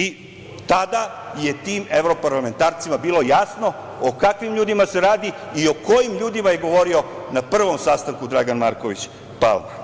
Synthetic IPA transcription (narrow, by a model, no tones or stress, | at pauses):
i | t̪ad̪a | je̞t̪iːmeʋɾo̞paɾlˠame̞nt̪aːɾt̪simabiːlˠo̞jasno̞ | okakʋimʎuːd̪imase̞ɾaːd̪i | io̞ko̞jimʎuːd̪imaje̞ɡo̞ʋo̞ɾio̞ | napr̩ʋo̞msast̪aŋkud̪ɾaɡanmaɾko̞ʋit͡ɕ | pa̰lˠma